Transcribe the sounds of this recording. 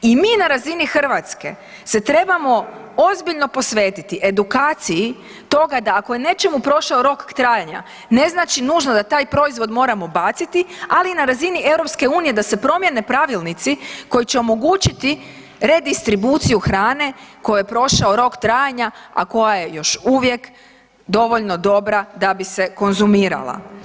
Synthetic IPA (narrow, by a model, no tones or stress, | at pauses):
imiːnaɾazinixr̩ʋat̪ske̞̰ | se̞t̪ɾe̞bamo̞ | o̞zbiʎno̞po̞sʋe̞ːt̪it̪iʔe̞d̪ukaːt̪siji | t̪o̞ɡad̪aːko̞je̞ne̞t͡ʃe̞mupɾo̞ʃaoɾo̞kt̪ɾaːjaɲa̰ | ne̞znaːt͡ʃinuːʒnod̪at̪aːjpɾo̞izʋo̞d̪mo̞ːɾamo̞bat̪sit̪ialinaɾazinie̞wɾo̞pske̞uːnije̞d̪ase̞pɾo̞mje̞ne̞pɾaʋilˠnit̪siko̞jit͡ɕe̞o̞mo̞ɡuːt͡ɕit̪i | ɾe̞d̪ist̪ɾibut̪sijuxɾaːne̞ko̞jojepɾo̞ʃaoɾo̞kt̪ɾaːjaɲaa̰ko̞jaje̞jo̞ʃuːʋje̞k | d̪o̞ʋo̞ʎno̞d̪o̞bɾad̪abise̞ko̞nzumiːɾa̰lˠa̰